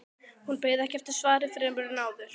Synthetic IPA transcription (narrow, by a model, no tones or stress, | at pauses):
hunpeːjðaɛhcɛft̪ɪ̥svaːɾɪfɾɛmʏɾnaːwðʏɾ̥